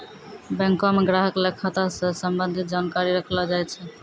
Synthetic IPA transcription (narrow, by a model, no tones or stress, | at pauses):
bɛ̃ŋkomeɡɾaɦəklekʰat̪asẽsəmbənd̪ʱit̪̚d͡ʒankaɾiɾəkʰlɔd͡ʒajt͡ʃʰɛ